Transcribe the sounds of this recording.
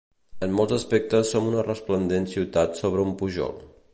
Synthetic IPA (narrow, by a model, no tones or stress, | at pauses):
əmːolˠzəspɛk̚t̪əsːomunərəsplənd̪ensiwt̪at̪soβ̞ɾəumpuʒɔ̰lˠ